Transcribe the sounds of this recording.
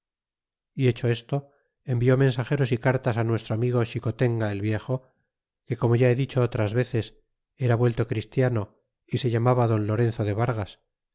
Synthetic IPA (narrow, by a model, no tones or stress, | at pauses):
ie̞t͡ʃo̞e̞st̪o̞ | embio̞mẽ̞nsaχe̞ɾo̞sikaɾt̪asanwe̞st̪ɾoamiɣo̞ʃiko̞t̪e̞ŋɡaelβje̞xo̞ | ke̞ko̞mo̞ʝae̞ðit͡ʃo̞ot̪ɾazβe̞θe̞s | e̞ɾaβwelt̪o̞kɾist̪jano̞ | ise̞ʝamaβaðo̞nlo̞ɾe̞n̟θoðe̞β̞aɾɣas